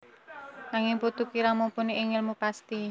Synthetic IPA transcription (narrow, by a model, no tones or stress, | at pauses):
naŋɪŋput̪ukiɾaŋmumpuniʔːŋɪlmupast̪i